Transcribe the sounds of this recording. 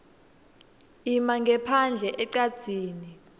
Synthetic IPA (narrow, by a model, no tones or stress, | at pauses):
imaŋɡʱɛpʰand͡ɮʱɛʔɛǀad̥z̥ʱiːni